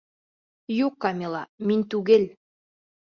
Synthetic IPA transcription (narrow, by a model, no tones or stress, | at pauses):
jukːɑmʲelˠɑminʲt̪uɣelʲ